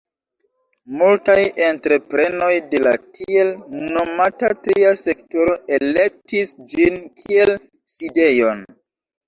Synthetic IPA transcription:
multajentɾe̞pɾe̞no̞jde̞la̰tʰielno̞matatɾiase̞ktoɾo̞ʔe̞le̞k̚tisd͡ʒinkʰie̞l | side̞jo̞n

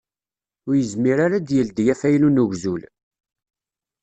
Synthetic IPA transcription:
ʊɾjəzmiɾaɾad̪jəld̪jæfæjnunuʝzul

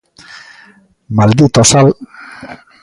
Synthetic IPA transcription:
mald̪it̪osal

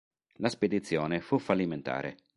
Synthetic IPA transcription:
lasped̪it̪sːjɔːnefufːalːiment̪a̰ːɾʔḛ

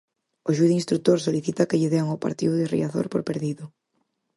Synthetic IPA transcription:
oʃuðinst̪ɾut̪oɾs̬oliθit̪ɐkeʎɪðeaŋopa̰ɾt̪iðʊðɪrḭaθo̰ɾpoɾpeɾðiðʊ

